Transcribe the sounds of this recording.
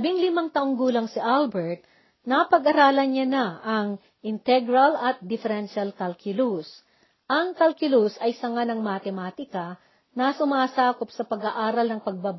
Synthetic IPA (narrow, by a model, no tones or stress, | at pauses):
ɐbiŋlɪmaŋt̪ɐʔoŋɡuːlɐŋsɪʔalbɛɹt̪̚ | nɐpɐɡɐɾaːlɐnanaɐŋ | ʔɪnt̪ɛɡɾɐlɐt̪̚d̪ɪfɛɾɛnʃalkɐlkʊlus | ʔɐŋkɐlkɪlusɐjsɐŋanɐŋmat̪ɛmaːt̪ɪkɐ | nɐsʊmaːsaːkop̚sɐpɐɡaʔaːɾɐlnɐŋpɐɡ̚bab